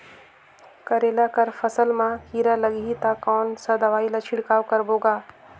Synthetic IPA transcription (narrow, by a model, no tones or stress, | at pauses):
kɐɾeːlakəɾfʰɐsəlmãkiːɾalɐɡit̪akɔːnsɐd̪ɐʋaːilɐt͡ʃʰɪɽkaːwkɐɾboːɡaː